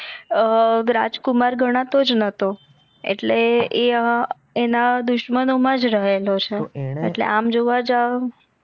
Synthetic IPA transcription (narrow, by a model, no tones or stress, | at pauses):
ɾa̰d͡ʒkumaɾɡʱəɽ̃ãt̪od͡ʒnət̪o | ḛʈlee | enad̪ʊʃmənomãd͡ʒɾəɦelot͡ʃʰeeʈlḛʔamd͡ʒoʋad͡ʒa